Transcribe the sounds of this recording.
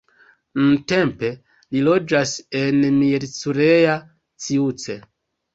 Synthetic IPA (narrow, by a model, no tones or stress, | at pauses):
nunte̞mpe̞ | lilo̞d͡ʒase̞nmiɾt͡suɾeja | t͡siut͡se